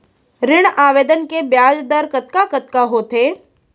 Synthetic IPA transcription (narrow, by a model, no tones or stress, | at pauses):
ɾɪɽ̃aːʋeːd̪ənkebjaːd͡ʒd̪əɾkɐt̪kakɐt̪kaɦoːt̪eː